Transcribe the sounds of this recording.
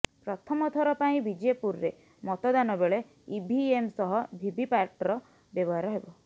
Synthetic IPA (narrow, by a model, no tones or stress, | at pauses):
pɾɔt̪ʰɔmɔt̪ʰɔɾɔpaĩbid͡ʒepuɾːe | mɔt̪ɔd̪anɔbeɭe | ibʱiemsɔɦɔbʱibʱipaɾʈɔɾɔ | bebɔɦaɾɔɦebɔ